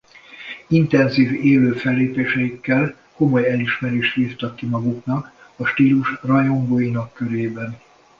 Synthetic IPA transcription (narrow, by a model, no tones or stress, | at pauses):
int̪ɛnziːveːløːfɛlːeːpeːʃɛjikːɛl | ko̞mo̞jɛliʃmɛɾeːʃt̪liːft̪ɒkːimɒɡuknɒk | ɒʃt̪iːluʃrɒjo̞ŋɡoːjinɒkːøɾeːbɛn